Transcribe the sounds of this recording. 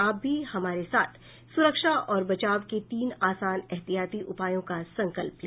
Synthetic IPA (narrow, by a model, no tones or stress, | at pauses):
aːp̚bʱihɐmaːɾesaːt̪ʰ | sʊɾəkʃaʔɔːɾbɐt͡ʃaːʋket̪iːnaːsaːnɛɦt̪ijaːt̪iʔʊpaːjõkasɐ̃ŋkəlplẽː